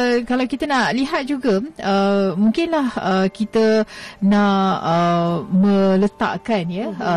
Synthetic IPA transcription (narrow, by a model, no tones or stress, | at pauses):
kalawkit̪anaʔliɦat̪̚d͡ʒuɡaəmũŋkɪnlahəkit̪anãʔəmə̃lət̪a̰ʔkanjəə